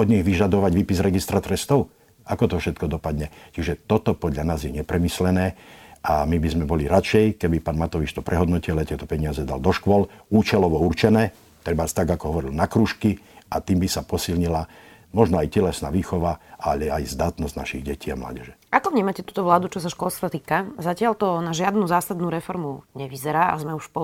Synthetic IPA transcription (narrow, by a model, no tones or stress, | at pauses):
ɔd̪ɲiɣʋiʒad̪ɔʋaɟʋiːpizɾɛɡist̪ɾat̪ɾɛst̪ɔʊ | ʔakɔt̪ɔfʃɛt̪kɔd̪ɔpad̪ɲɛt͡ʃiʒɛt̪ɔt̪ɔpɔd̪ʎanaːzjɛɲɛpɾɛmislɛnɛːʔamibizmɛbɔliɾat͡ʃɛjkɛbipaːnmat̪ɔʋit͡ʃt̪ɔpɾʔɛɦɔd̪nɔcilɛt̪ɪɛt̪ɔpɛɲɪazɛd̪a̰ld̪ɔʃkʊɔluːt͡ʃɛlɔʋɔurt͡ʃɛnɛː | t̪ɾɛbast̪aɡakɔɦɔʋɔɾilnakɾuːʃki | ʔat̪iːmbisapɔsilɲila | mɔʒnɔajcɛlɛsna̰ːʋiːxɔʋaʔalɛajzd̪aːt̪nɔzɟna̰ʃiɣɟɛcʰiːamla̰ːɟɛʒɛʔakɔvɲiːmacɛt̪uːt̪ɔʋlaːd̪ut͡ʃɔs̬aʃkɔlst̪ʋat̪iːkazacɪalt̪ɔnaʒɪad̪nuːzaːsad̪nuːɾɛfɔɾmuɲɛʋizɛɾaːʔa̰zmɛuʃpɔ